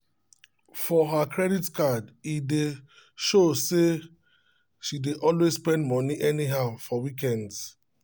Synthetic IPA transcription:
fɔɦakʰɹɛditkadide | ʃose | ʃideʔɔlwezspɛ̃ndmɔ̃niʔɛniɦaʊfɔwikɛ̃ndz

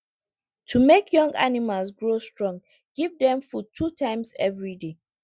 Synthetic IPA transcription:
tʰumekjɔ̃ŋɡa̰nimalˠsɡɹostɹɔ̃ŋ | ɡ̥ivdɛ̃mfutʰutʰãɪ̃msɛ̰vɹide

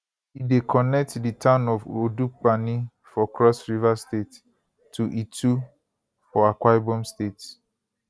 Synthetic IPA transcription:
idekʰɔnɛk̚tditʰãʊ̃nɔvoduk͡pani | fɔkɹɔsɹivastet | tʰːuʔitu | fɔakwajbɔ̃mstet

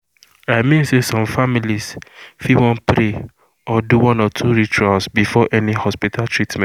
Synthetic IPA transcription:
aɪmĩnsesɔ̃mfamilisfiwɔ̃npɾe | ɔduwɔ̃nɔtʰuɹituãlsbifɔʔɛnihɔspitʰaltɹitmɛ̃n

